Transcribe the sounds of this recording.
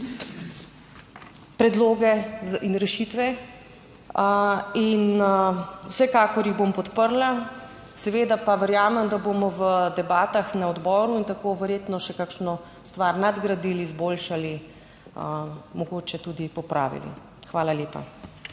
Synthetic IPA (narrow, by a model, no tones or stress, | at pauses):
pɾɛd̪loːɡɛinɾɛʃit̪ʋɛ | in | wsɛkaːkɔɾjiɣbompɔt̪pəɾla | sɛʋeːd̪apaʋɛɾjaːmɛmd̪aboːmɔʋəd̪ɛbaːt̪axnaɔd̪bɔːɾuint̪akoːʋɛɾjeːt̪nɔʃɛkakʃnɔ | st̪ʋaɾnad̪ɡɾad̪ilizboːlʃali | əmɔɡoːt͡ʃɛt̪ud̪ipɔpɾa̰ːʋḭlḭ | xʋaːlaleːpa̰